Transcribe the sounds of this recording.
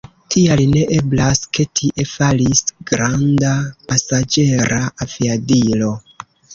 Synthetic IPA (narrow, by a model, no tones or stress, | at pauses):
tʰialine̞ʔe̞blaske̞tʰiʔe̞falisɡ̥ɾandapasad͡ʒe̞ɾaaviadilo̞